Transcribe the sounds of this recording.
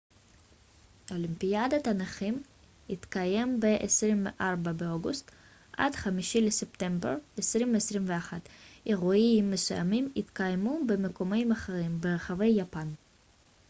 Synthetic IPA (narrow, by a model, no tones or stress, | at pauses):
ʔo̞limpijad̪at̪anaχim | it̪kaje̞mbeʔesʁimvḛʔaʁbabeoɡust̪ | ʔa̰dχamiʃilesept̪e̞mbḛʁesʁimveːsʁimveaχat̪eʁuiimːesuja̰mimit̪kajmubemeko̞mejmaχeʁimbeʁaχave̞jːapan